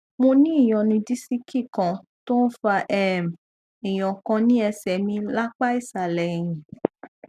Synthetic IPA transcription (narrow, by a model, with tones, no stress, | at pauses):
mo˧nĩ˦i˦˨j̃ɔ̃˨nĩ˧di˦si˦kʰi˦˨kã˨ | to˦n̩˦fa˧ʔɛ˦˨m˨ | ĩ˨j̃ɔ̃˨kã˧nĩ˦ɛ˧sɛ˨mĩ˧la˦k͡pa˦i˦˨sa˨lɛ˨j̃ĩ˨